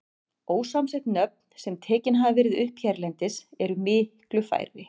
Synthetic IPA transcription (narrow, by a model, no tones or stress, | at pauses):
oːwsamsɛht̪nœp̚n̥sɛmt̪ʰɛːcɪnɦavavɪɾɪðʏhpçɛɾlɛnt̪ɪsɛɾʏmɪhklʏfa̰ːjɾɪ